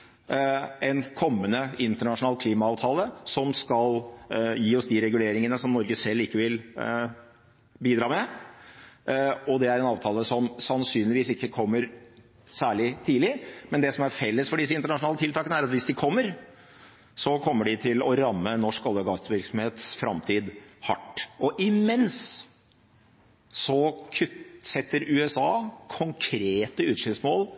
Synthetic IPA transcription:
ɛnkʰɔmːənəɪnt̪əɳɑʂʊnɑːlkʰliːmɑɑːʋt̪ʰɑːləsɔmskɑljiːɔsd̪ɪɾɛɡʉleːɾɪŋənəsɔmnɔɾɡəsɛlːɪkːəʋɪl | biːd̪ɾɑːmɛ | ɔd̪ɛæɾɛnɑːʋt̪ʰɑːləsɔmsɑnsyːnlɪʋiːsɪkːəkʰɔmːəɾ | sæːɭɪt̪ʰiːlɪmɛnd̪ɛsɔmæɾfɛlːəsfɔɖɪs̬əɪnt̪əɳɑʂʊnɑːlət̪ɪlt̪ɑːkənəæɾɑt̪ʋɪsd̪ɪkʰɔmːəɾ | sɔkʰɔmːəɖɪt̪ʰɪlɔɾɑmːənɔʂkɔləɡɑt̪əʋɪɾksɔmheːt̪sfɾɑ̰mt̪ʰiːd̪hɑʈːɔʔɪmɛns | sɔkʰʉsɛt̪ːəɾʉːɛsɑːkʰɔŋkʰɾeːt̪əʉːt̪ʂɪlsmoːl

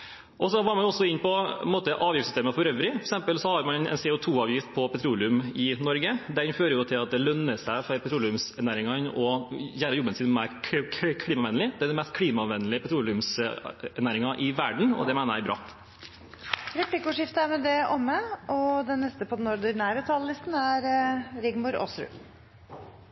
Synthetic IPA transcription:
ʔɔsɔʋɑːɾmɑnʊɔsːɔɪnːpɔnmoːt̪əʔɑːʋjɪftsʏst̪eːməfɔɾœʋɾɪfɔɾɛksɛmpəlsɔhɑɾmɑnɛ̰nseːʊt̪ʰuːɑːʋjɪft̪pʰɔpɛt̪ʰɾuːlɪʉmɪnɔɾɡəd̪ɛnføːɾəɾjʊt̪ʰɪlɑt̪̚d̪ɛlœnːəsæɪfɔɾpʰɛt̪ɾuːlʉmsɛnæːɾɪŋɑnɔjæːɾəɾjɔbːənsɪːnmæɪɾkʰɽiːmɑʋɛnlɪd̪ɛæɖ̪ɛmɛst̪̚kʰɽiːmɑʋɛnːəlɪpʰɛt̪ʰɾuːlɪʉmsɛɾnæːɾɪŋɑʔɪʋæɖɳ̩ɔ̰d̪ɛmæɪnəɾjæɪbɾʔɑ̰ː | ɾɛpʰlɪkəʊːʂɪft̪əæɾmɛd̪ɛʔɔmːəʔɔd̪ɛnːɛst̪əpʰɔd̪ɛnɔɾd̪ʉnæɪɾət̪ʰɑllɪst̪n̩æɾɾɪɡmʊɾɔ̰sɾʉ̰

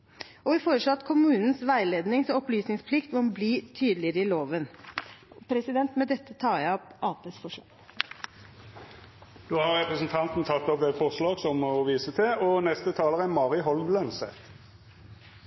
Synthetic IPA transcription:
ɔʋɪfoːɾəʂlɔɑt̪kʰʊmʉːnn̩sʋæɪleːd̪nɪŋsɔɔplyːsnɪŋspʰlɪkt̪ʋɔmbliːt̪ʰyːd̪lɪəɾəɪloːʋən | pʰɾɛsɪd̪ɛnt̪mɛd̪ɛt̪ːət̪ʰɑːjæɪɔpʔɑːpeːsfɔʂlɑ̰ːɡ | d̪oːhɑʁʁɛpɾəsn̩t̪ʰɑnt̪n̩t̪ʰɑt̪ːɔpʋefɔʁslɑːɡsɔmɔʋiːsət̪ʰɪɔnɛst̪ət̪ʰɑːləʁənmɑːʁɪɦɔlmlœnsɛ̰t̪

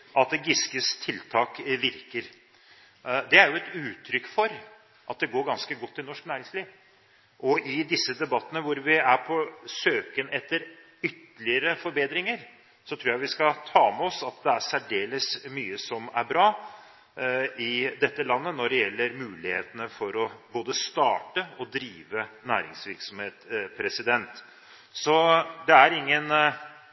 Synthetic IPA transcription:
ʔɑt̪̚d̪ɛɡɪskəst̪ʰɪlt̪ʰɑːkʋɪɾkəɾ | d̪ɛæɾjʊɛt̪ʉːt̪ʰːɾʏkfɔɾ | ʔɑt̪̚d̪ɛɡoːɾɡɑnskəɡɔt̪ʰːɪlnɔʂknæːɾɪŋsliːʋ | ʔɔʔɪd̪ɪsːəd̪ɛbɑt̪ːənəʋʊɾʋɪæɾpʰɔsøːkənɛt̪ːəɾ | ʏt̪ːəlɪəɾəfɔɾbeːd̪ɾɪŋəɾ | sɔt̪ʰɾuːɾjæʋɪskɑt̪ʰɑːmɛɔsɑt̪d̪ɛæɾsæɖeːləsmyːəsɔmæ̰ɾbɾɑː | ɪd̪ɛt̪ːəlɑnːənɔɖɛjɛlːəɾmʉːlɪhḛːt̪ənəfɔɾɔboːd̪əst̪ɑːʈəɔd̪ɾiːʋənæːɾɪ̰ŋsʋɪɾksɔmheːt̪pʰɾɛsɪd̪ɛnt̪ | sɔd̪ɛæɾɪŋːən

